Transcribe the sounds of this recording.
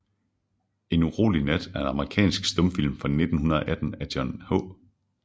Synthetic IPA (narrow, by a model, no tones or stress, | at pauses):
e̝nuʁo̝̰ːlinæd̥æɐe̝nɑ̈məʁikʰɛ̰ːnsɡ̥sd̥ɔ̽mfil̰mfʁɑne̝d̥n̩hunɐðˠɒ̽ʔæd̥n̩æd̥jɒnhɔ̰̽ː